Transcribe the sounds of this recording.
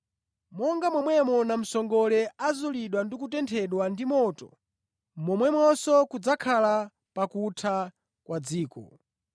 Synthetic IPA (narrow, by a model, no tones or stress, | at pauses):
mɔŋɡamwɛmwɛmɔnam̩sɔŋɡɔlɛazuliɗwandikutɛntʰɛɗwandimɔtɔ | mɔmwɛmwɔsɔkud͡zakʰala | pakutʰa | kwʔad͡ziːkɔ̰